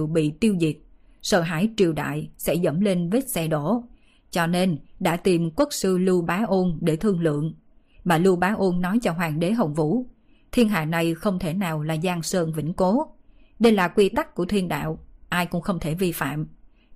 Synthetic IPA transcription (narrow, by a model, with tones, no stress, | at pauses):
wɓḭ˧˨t̪i˧wzi˨˩t̚ | sə̰ː˧˩ɦa̰ː˧˥˩jt͡ɕi˨˩əwɗa̰ː˧˨jsɛ̰˧˥zə̰˧˩mle˧nve˦˥t̚sɛ˧ɗo˧˩˨ | t͡ɕɔ˧ne˧nɗa̰ː˧˥t̪i˨˩mkwə˦˥k̚sɨ˧lu˧ɓaː˨˦ʔo˧nɗe˧˩t̪ʰɨ˧əŋlɨ̰˧˨əŋ | maː˨˩lu˧ɓaː˨˦ʔo˧nːɔ˨˦jt͡ɕɔ˧ɦwaː˨˩ŋɗe˨˦ɦə˨˩wŋ͡mvṵ˧˩˥ | t̪ʰi˧ənɦa̰ː˧˨na˨˩jxə˧wŋ͡mt̪ʰe˧˩naː˨˩wlaː˨˩zaː˧ŋsəː˧nvḭ˧˩ŋ̟ko˨˦ | ɗe˧jlaː˨˩kwi˧t̪a˦˥k̚ku˧˩ət̪ʰi˧ənɗa̰ː˧˨wʔaː˧jkʊ̰˧˥ŋ͡mxə˧wŋ͡mt̪ʰe˧˩vi˧fa̰ː˧˨m